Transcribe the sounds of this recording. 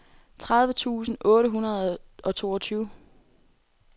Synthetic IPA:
t͡sʰʁaðˠʋət͡sʰṵːsn̩ʔɔ̽ːɾəɦunɐð̩ˠʔɒ̽t͡sʰo̝ːɒ̽t͡sʰyːʊ

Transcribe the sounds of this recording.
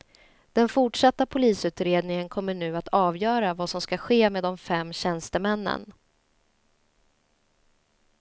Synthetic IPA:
d̪̥ɛnfʊʈʂat̪ːapʰʊliːsʉ̟ːt̪ɾeːd̪nɪŋənkʰɔmːəɳʉ̟ːat̪ʰɑːvjœːɾavaːsɔmskaɧeːmeːd̪ɔmfɛmːɕɛnst̪əmɛnːə̰n

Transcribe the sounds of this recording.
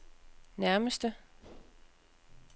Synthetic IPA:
næɐməsd̥ə

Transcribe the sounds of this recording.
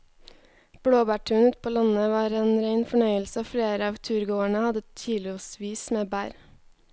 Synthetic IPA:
b̥ɽoːbæːʈʰʉːnʉːt̪̚pʰoːlɑnəʋɑːɾeːnɾeɪnfɔɳœʏəlsəoːfleːɾəɑːʋt̪ʰʉːɾɡoːəɳəhɑd̪ət̪iːlʊsʋiːsmeːbæːɾ

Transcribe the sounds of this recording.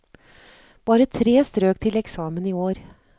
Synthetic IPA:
b̥ɑːɾət̪ʰɾeːst̪ɾøːk̚t̪ʰɪlɛksɑːməniːoːɾ

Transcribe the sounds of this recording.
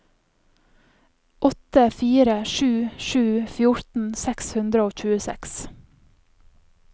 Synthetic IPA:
ʔɔt̪əfiːɾəʃʉːʃʉːfjʊɹt̪n̩sɛkshʉnd̪ɾəoːc͡çʉːəsɛ̰ks

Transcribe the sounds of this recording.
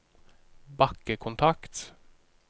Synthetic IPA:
bɑkəkʰʊnt̪ʰɑkt̪

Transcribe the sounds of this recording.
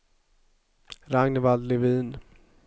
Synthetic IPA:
ɾaŋnvald̪lɪviːn

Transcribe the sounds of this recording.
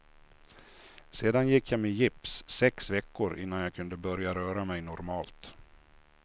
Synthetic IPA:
seːd̪anjɪkʰːjaːmejɪpssɛksvɛkːʊɾɪn̪ːanjɑːkʰɵnd̪əbœɾjaɾœːɾamɛjnɔɾmɑːlt̪

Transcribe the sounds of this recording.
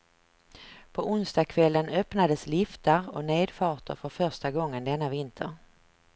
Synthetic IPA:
pʰɔʔʊnsd̪ɑkʰvɛlːənœpnad̪əslɪft̪əɾɔ̰neːd̪fɑːʈ̪ə̰ɾfœɾfœɾʂʈaɡɔŋːənd̪ɛnːavɪnt̪ʰəɾ

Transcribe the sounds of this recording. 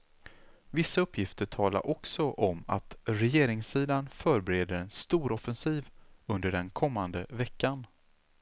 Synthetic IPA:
vɪsːaɵpʰːjɪft̪əʈʰɑːla̰ɾʔɔksɔʔɔma̰t̪ɾɛjeːɾɪŋsiːd̪anfœːɾbɛɾeːd̪əɾɛnst̪uːɾɔfɛnsiːvɵnd̪əɖɛnkʰɔmːand̪əvɛkːan

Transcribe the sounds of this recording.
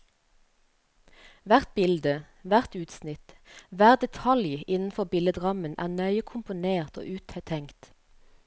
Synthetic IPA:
ʋæʁt̪̚bɪld̪ə | ʋæʁt̪ʉːt̪snɪt̪ʋæːʁd̪ɛt̪ʰɑljɪnn̩fɔbɪləd̪ʁɑmənʔæ̰ːʁnœʏəkʰʊmpʊneːʁt̪o̰ːʔʉːt̪ʰhɛt̪ʰɛŋkt̪

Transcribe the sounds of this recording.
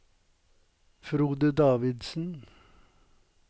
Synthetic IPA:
fɾuːd̪əd̪ɑːʋɪd̪sn̩

